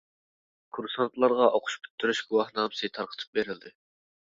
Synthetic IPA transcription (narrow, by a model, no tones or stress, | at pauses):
kʰuɾsɑnt̪lˠɑɾʁɑʔoqʰʊ̥ʃpʰy̥t̪ʰːyɾyʃɡʲuwɑhnɑːmɨsɨt̪ʰɑɾqʰə̥t̪ʰɨ̥p̚beɾɪlˠd̪ɪ